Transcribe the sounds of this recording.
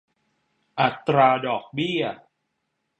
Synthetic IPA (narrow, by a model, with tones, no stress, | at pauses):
ʔa˨˩t̪ːɾaː˧dɔː˨˩k̚bi˥˩ɐ